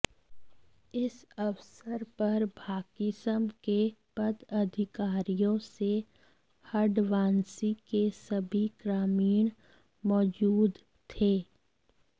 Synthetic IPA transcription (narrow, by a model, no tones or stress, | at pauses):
ɪsɐʋsəɾpɐɾbʱaːkisəmkepɐd̪ɐd̪ʱɪkaːɾijõse | hɐɖʋaːnsikesɐbʱiɡɾaːmiːɽ̃ | mɔːd͡ʒuːd̪ | t̪ʰeː